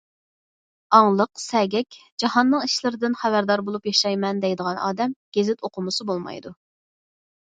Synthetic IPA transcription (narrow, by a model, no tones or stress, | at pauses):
ɑŋlˠəqsɛɡʲɛkʲ | d͡ʒɑhɑnːɨŋiʃlˠɨɾɨd̪ɪnχæbæɾd̪ɑɾbolˠupjɑʃɑjmɛnd̪ɛjd̪əʁɑnɑ̰ːd̪ɛmɡ̥ʲezɪt̪oqʰʊmʊsɨbolˠmɑ̰jd̪u